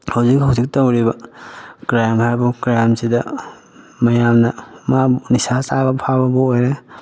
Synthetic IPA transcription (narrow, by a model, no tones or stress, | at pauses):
hawzikɦawzik̚tawɾibɐkɾamaɾbukɾamsidɐ | mɐjamnɐmabnisasabɐpʰabɐbɐojɾe